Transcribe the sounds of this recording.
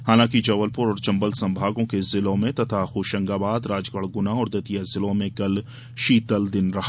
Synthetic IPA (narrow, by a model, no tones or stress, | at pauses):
haːlãːkid͡ʒɐʋəlpʊɾɔːɾt͡ʃɐ̃mbəlsɐ̃mbʱaːɡõkezɪlõmẽt̪ɐt̪ʰaxoːʃə̃ŋɡabaːd̪ɾaːd͡ʒkəɭ̤ɡʊnaɔːɾd̪ɐt̪ijazɪlõmẽkɐl | ʃiːt̪əld̪ɪnɾɐɦa